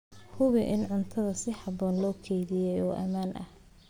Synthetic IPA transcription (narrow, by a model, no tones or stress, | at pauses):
hʊβɪʔɪnʕʊnt̪ʰɐðɐsɪħɑbɔːnlɔːkʰɛjðɪjɛjɔːʔɐ̰maːnʔɐ̰h